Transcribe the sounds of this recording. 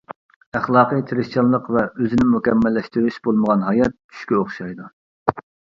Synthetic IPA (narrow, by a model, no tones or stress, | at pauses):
æχlˠɑːqəjt̪ʰeɾɪʃt͡ʃʰɑnˠlˠəqvɛøzɪnɪmukʲɛmːɛlːɛʃt̪yɾyʃbolˠməʁɑnɦɑjɑt̪̚t͡ʃʰy̥ʃkʲɛoχʃɑjd̪u